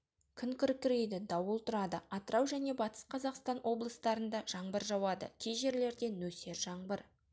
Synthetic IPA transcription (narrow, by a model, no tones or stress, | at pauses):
kʲʰʏŋkʲʰɪɾkʲːɪɾejd̪ɪd̪ɑwəlˠt̪ʰʊɾɑd̪əɑt̪əɾɑwʒæne̞bɑt̪ə̥sqʰɑzɑqst̪ɑnwʔo̞blˠəst̪ɑɾənd̪ɑʒ̥ɑɴbəɾʒɑwɑd̪ə̰kʲʰejʒe̞ɾle̞ɾd̪e̞nɵse̞ɾʒɑɴbəɾ